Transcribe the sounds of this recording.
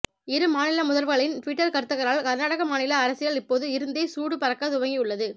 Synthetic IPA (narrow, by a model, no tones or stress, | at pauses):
ɪɾɯmaːnɪlɐmʊðɐɾʋɯɣɐɭɪntʋɪːʈːɐɾkɐɾɯt̪ːɯɣɐɾaːlkɐɾnaːɽɐɣɐmaːnɪlɐːɾɐsɪɣɐɭɪpːoːðɯɪɾɯnd̪eːsuːɽɯpɐɾɐkːɐðʊʋɐŋɡijʊɭːɐðɯ